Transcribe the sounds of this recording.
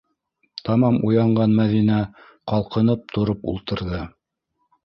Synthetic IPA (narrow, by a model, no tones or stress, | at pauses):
t̪ɑmɑmujɑɴɢɑnmæðinæ | qɑlˠqɤ̆nɤp̚t̪ʰŏɾɤpṵlˠt̪ɤ̆ɾðɤ